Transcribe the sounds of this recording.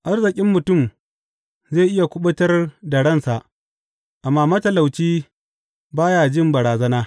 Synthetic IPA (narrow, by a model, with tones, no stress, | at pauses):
ʔa˦rzɪ˨kʲʼɪ˦mːʊ˨tʊ˦˨m | ze˦˨ʔɪ˦ja˨kʷʊ˦ɓʊ˦tɐ˦rdɐ˨ɽɐ˦nsa˨ʔ | ʔa˨mːaː˦mɐ˦tɐ˨la˨wt͡ʃiː˦ | baː˦ja˨d͡ʒɪ˦mbɐ˨ɽaː˨zɐ˦naː˦